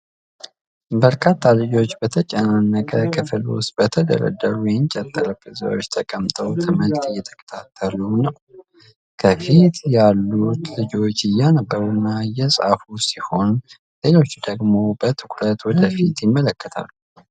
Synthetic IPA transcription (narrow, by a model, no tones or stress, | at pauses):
bəɾkʰat̪ʰːalɨd͡ʒo̞t͡ʃːbət̪ʰət͡ʃʼɛnanːəkʼəkʰɨfɨlʊ̰sbət̪ʰəd̪ə̰ɾə̰d̪ːəɾujɛnt͡ʃʼət̪ʼːələfɨza̰wot͡ʃːt̪ʰəkʼəmt̪ʼəwt̪ʰɨməlt̪ɪjːɛt̪ʰə̥kʼə̥t̪ʰat̪ʰːəlunəw | kʰəfit̪jalːut̪lɨd͡ʒo̞t͡ʃːɪjanəbːəɾunːajɛsʼa̰fusiho̞n | le̞lo̞t͡ʃːd̪əɡmo̞bət̪ʰɨkʰʼlət̪wɔd̪əfit̪jɪmːələkːət̪ʰa̰lːu